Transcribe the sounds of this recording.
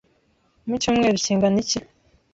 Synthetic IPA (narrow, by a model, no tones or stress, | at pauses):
micuːmŋe̞ːɾiciːŋɡanici